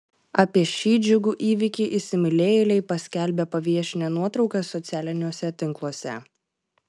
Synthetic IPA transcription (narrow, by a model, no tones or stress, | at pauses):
ɑːpʲiɛʃʲiːd͡ʒʲʊɡuːʔiːʋʲɪkʲɪʔɪsʲɪmʲɪlʲeːjlʲɛɪpɐsʲkʲælʲbʲepɐʋʲiɛʃʲɪnʲɛnuɔt̪ɾɒʊkɐsɔt̪sʲæːlʲɪnʲuːsʲɛt̪ʲɪŋklˠuɔsʲɛ̰